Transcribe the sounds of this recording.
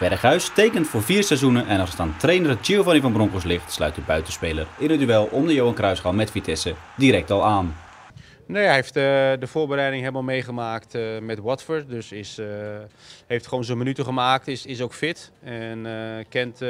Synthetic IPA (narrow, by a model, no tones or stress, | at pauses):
ʋɛrχœɥstejkəntfʊːɹviːɹsɛzunəʔɛnɑlˠsətaːntrejnərət͡ʃiəvɑnivɑnbrɔŋkoslɪχtslœ̰ɥt̚dəbœɥtəspejlərɪnvədyɪlˠɔmdəjowɑnkrœɥsχɑwmɛtfitʰɛsədiɾɛk̚tɑlˠaːn | nejejftdəv̥ʊːɹbəɾɛjdɪŋɦejləmalˠmejχəmaːktmɛtwɔtfəɹt̚dɵsɪs | ɦejftχəʋownzonmənytəχəmaːk̚tɪsɪsowkfɪtɛnkɛnt